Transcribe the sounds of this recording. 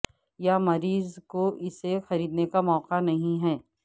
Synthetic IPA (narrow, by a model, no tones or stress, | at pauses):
jamɐɾiːzkoʔɪsexɐɾiːd̪nekamɔːqanɐɦĩɦɛː